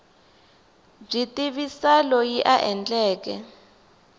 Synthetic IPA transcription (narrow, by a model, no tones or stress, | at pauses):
b͡ʐitiβisalɔjiʔaʔɛnd͡ɮɛːkɛ